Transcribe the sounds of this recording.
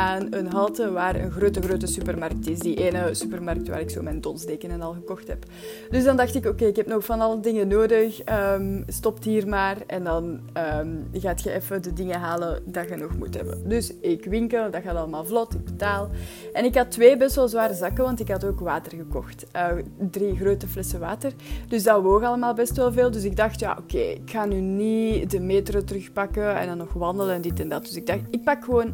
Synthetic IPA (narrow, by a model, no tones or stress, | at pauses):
ʔaːnənɦɑlˠtəʋaːɾə̰nɣroːtəɣroːtəsypərmɑrk̚tɪsdiʔeːnəsypərmɑrk̚tʋa̰ːɾɪkso̰ːmɛjndɔnzdeːkənənɑlˠɣəkɔxtɦɛ̰p | d̥ʏzdɑndɑxtɪkokeːɪkɦɛpnɔxfɑnɑlˠədɪŋənoːdəxəmstɔptɦiːrmaːrɛ̰ndɑn | əːmɣaːtxəʔɛfədədɪŋəɦaːlədɑɣənɔxmṵtɦɛ̰bə̰dʏsɪkʋɪŋkəlˠdɑɣaːtɑləmaːlˠvlɔtɪɡ̚bətaːlˠ | ʔɛnɪkɦɑtʋeːbɛstʋɛlˠzʋaːɾəzɑkəʋɑntɪkɦɑtoːkʋaːtərɣəkɔxtʔəːdriɣroːtəflɛsəʋaːtərd̥ʏzdaʋoːɣɑləmaːlˠbɛstʋɛlˠveːlˠdʏsɪɡ̚dɑxtja̰ːʔo̰kḛːɪ̰kxaːnyːnidəmeːtrotərɵxpɑkəɛ̰ndɑnːɔxʋɑndələɛndɪtɛndɑt̚d̥ʏsɪɡ̚dɑxtɪk̚pɑkxəʋoːn